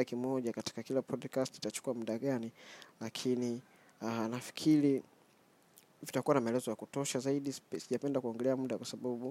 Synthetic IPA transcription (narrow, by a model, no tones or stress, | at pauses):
akimɔʄakati̥kakilapʰɔdkastiitat͡ʃu̥kuamuɗaɠanilakʰini | anafi̥kʰiɾi | vitakuwanamaɛlɛzɔjakutɔʃazaiɗisiʄapɛndakuɔŋɡɛlɛamuɗakwasaɓaɓu